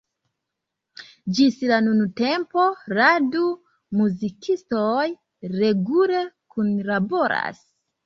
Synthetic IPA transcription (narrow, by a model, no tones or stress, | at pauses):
d͡ʒislanunute̞mpo̞ɾadu | muzikʰistoj | ɾe̞ɡulekunlabo̞ɾa̰s